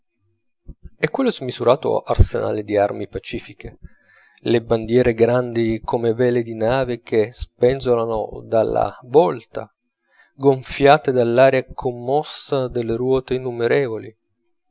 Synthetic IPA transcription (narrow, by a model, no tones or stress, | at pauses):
ɛkːwelːozmizuɾaːt̪o̰ʔa̰rsḛna̰ːlɪd̪iarmipat͡ʃiːfike | leband̪jɛːɾeɡɾand̪ikʰomevɛːled̪inaːvek̟espɛnzolano̰d̪alːa̰vɔlt̪a̰ | ɡoɱfjaːt̪ed̪alːaːɾjakʰomːɔsːad̪elːeɾwɔːt̪einːumeɾɛːvoli